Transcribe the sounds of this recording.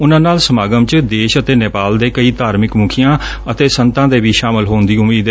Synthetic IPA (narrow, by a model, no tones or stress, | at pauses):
ʊnãːnaːlsəmaːɡəmt͡ʃd̪eːʃət̪eːnɪpaːld̪eːkəiːt̪aːɾmɪkmʊkʰijãː | ət̪eːsənt̪ãːd̪eːbiːʃaːmɪlɦoːnd̪iːʊmiːd̪ɛ